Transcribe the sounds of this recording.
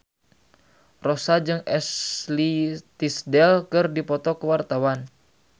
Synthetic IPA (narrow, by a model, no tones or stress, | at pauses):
rosad͡ʒɨŋɛslit̪isdɛlkɨrdipɔt̪ɔkəwart̪awan